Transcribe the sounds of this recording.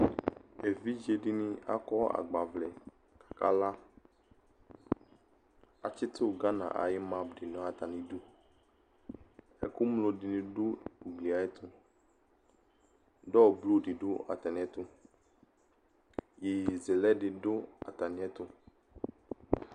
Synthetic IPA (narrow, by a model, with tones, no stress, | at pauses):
e˨vi˦d͡ʒe˨di˦nĩ˦a̰˦kɔ˦a̰˨ɡ͡ba˨vlɛ˨ | kḁ˨ka˦la˦ | a˨t͡ʃɪ˦t̪ʊ˦˨ɡa˦nã̰˨ʔa̰˨jɪ˦mã˨bɖɪ˨nɔ̃˨˦a˨t̪a˨nĩ˨du˦ | ɛ˨ku˦mlo˨di˨nĩ˨dʊ˦u˨ɡli˨a˨ɛ˦t̪ʊ˦ | ɖɔ˦˨blu˦ɖi˨ɖʊ˦ʔa̰˨t̪a˨nĩ˨˦ɛ˦t̪ʊ˦ | je˨ze˨lɛ˦dɪ˨dʊ˦a̰˨t̪a˨nĩ˨˦ɛ˦t̪ʊ˦